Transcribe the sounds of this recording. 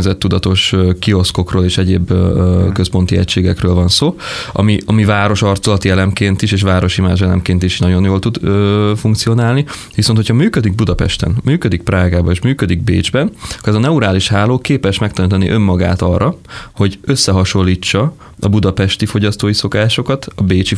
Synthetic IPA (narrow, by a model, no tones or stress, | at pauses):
zɛt̪ːud̪ɒt̪o̞ʃøkio̞sko̞kroːleːʃɛɟeːbkøspo̞nt̪iɛ̰ct͡ʃeːɡɛkrøːlvɒnsoːɒ̰miɒmivaːɾo̞ʃɒrt̪solɒt̪iɛlɛmkeːnt̪iʃeːʃ̬ʋaːɾo̞ʃima̰ːʒɛlɛ̰mkeːnt̪iʃnɒɟo̞njoːlt̪ud̪øfuŋkt̪sio̞naːlni | ʋisonhochɒmyːkød̪iɡ̚bud̪ɒpɛ̰ʃt̪ɛ̰nmyːkød̪ik̚praːɡaːbɒeːʃmyːkød̪iɡ̚beːd͡ʒbɛnkoɛzɒnɛuɾaːliʃhaːloːkeːpɛʃmɛk̚t̪ɛnt̪ɒniʔø̞mːɒɡa̰ːt̪ɒrːɒho̞ɟøsːɛɦɒʃo̞lːiːt͡ʃːɒ | ɒbud̪ɒpɛʃt̪ifo̞ɟɒst̪oːjiso̞kaːʃo̞kɒt̪ɒbeːt͡ʃi